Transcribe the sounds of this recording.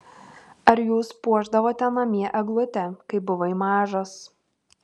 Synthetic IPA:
ɐɾjuːspuɔʒd̪ɐʋoːt̪ʲɛnɐmʲiɛʔɛɡlˠʊt̪ʲɛkɐɪbʊʋɐɪmɑːʒoːs

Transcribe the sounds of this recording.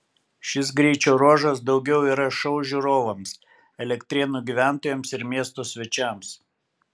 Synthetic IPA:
ʃʲɪs̬ɡɾʲɛɪt͡ʃʲoːɾuɔːʒɐsd̪ɒʊɡʲɛʊiːɾɐʃɐʊʒʲuɾoːʋɐms | ɛlʲɛkt̪ʲɾʲɛnuːˑɡʲiʋʲæˑnt̪oːjɛmsɪɾmʲiɛst̪oːsʲʋʲɛt͡ʃʲæˑms

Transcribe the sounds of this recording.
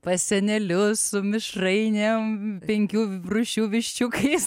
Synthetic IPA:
pɐsʲɛnʲɛlʲʊssʊmʲɪʃrɐɪnʲempʲɛŋʲkʲuːrʊʃʲuːʋʲɪʃʲt͡ʃʲʊkɐɪs

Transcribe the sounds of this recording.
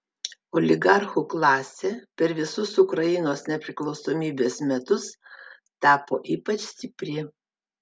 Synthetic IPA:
ɔlʲɪɡɑɾxuːklˠɑːsʲeːpʲɛɾʋʲɪsʊsʊkɾɐjɪnoːsnʲɛpʲɾʲɪklˠɒʊsoːmʲiːbʲeːsmʲɛt̪ʊs | t̪ɑːpo̰ːʔiːpɐt͡ʃʲsʲt̪ʲɪpʲɾʲɪ

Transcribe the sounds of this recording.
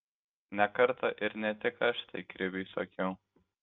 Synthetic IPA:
nʲɛkɐɾt̪ɐʔɪɾnʲɛt̪ʲɪkɐʃt̪ɐɪkɾʲɪbʲisokʲɛʊ

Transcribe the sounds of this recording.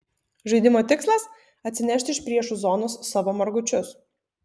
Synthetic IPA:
ʒɐɪd̪ʲɪmoːt̪ʲɪkslˠɐs | ɐt̪ʲsʲɪnʲɛʃʲt̪ʲɪʃpʲɾʲiɛʃuzɔːnosːɑʋoːmɐɾɡʊt͡ʃʲʊs

